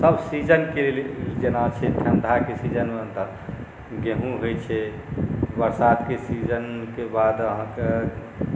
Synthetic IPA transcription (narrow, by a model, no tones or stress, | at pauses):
səbsid͡ʒənkeleld͡ʒenat͡ʃʰɛt̪ʰjənd̪ʱakesid͡ʒənmet̪ə | ɡẽɦũɦojt͡ʃʰɛ | bəɾsad̪kesid͡ʒənkebad̪əɦãke